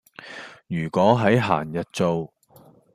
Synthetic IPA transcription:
jyː˨˩kʷɔː˨˥ɦɐ˨˥jɦa̰ː˨˩njɐ˨t̚t͡so˨˧w

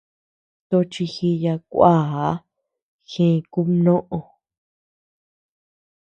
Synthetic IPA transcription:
t̪o˧t͡ʃi˧xi˧ja˧kʷa˦˨a˦ | xẽ˧ku˦nõ˦ʔo˧

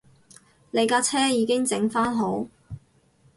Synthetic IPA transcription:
le˨˧jkaː˧t͡sʰɛː˥jiː˨˧kɪ˥ŋt͡sɪ˨˧˥ŋfaː˥nɦo˨˥w

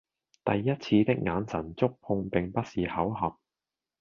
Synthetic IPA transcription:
t̪ɐ˨jːɐ˥t̚t͡sʰiː˧t̪ɪ˥k̚ŋaː˨˧nsʰɐ˨˩nt͡sʊ˥k̚pʰʊ˧ŋpɪ˨ŋpɐ˥t̚siː˨hɐ˨˥wɦɐ˨p̚

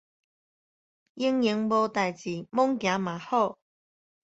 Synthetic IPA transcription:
jɪ˧˥ŋjɪ˨˥ŋpo˧t̪aː˨jt͡siː˨˩mʊ˥ŋkaː˨˧˥maː˨˩hɔ˥˩

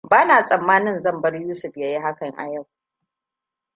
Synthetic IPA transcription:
baː˦naː˨sʼɐ˨mːaː˦nɪ˦nzɐ˦˨mbɐ˦rjuː˦sʊ˨ɸjɐ˦ji˦ɦa˦kɐ˨ŋʔa̰˨ja˦˨w

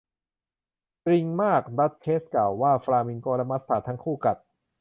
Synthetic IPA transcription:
t̪ɾi˧ŋmaː˥˩k̚da˦˥t̪̚t͡ɕʰeː˦˥sklaː˨˩wːaː˥˩fɾaː˧mi˧nkɔː˧ɾa˦˥ma˦˥sʰaː˨˩t̪ʰa˦˥ŋkʰuː˥˩ka˨˩t̪̚

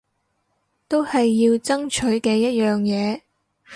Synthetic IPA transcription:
t̪o˥whɐ˨jːiː˧wt͡sɐ˥ŋt͡ʃʰɵ˨˥ɥkɛː˧jɐ˥t̚jœː˨ŋjɛː˨˧

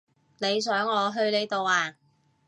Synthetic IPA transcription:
ne˨˧js̬œː˨˥ŋɔː˨˧ɦɵ˧ɥle˨˧jt̪o˨waː˧

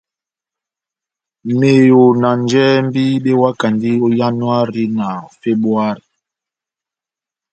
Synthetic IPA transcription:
me˨jo˨na˨nd͡ʒɛ˦m̩˦bi˦ɓe˦wa˦ka˨ndi˦o˦ja˦nwa˦ɾi˦na˨fe˦bu˦a˦ɾi˨

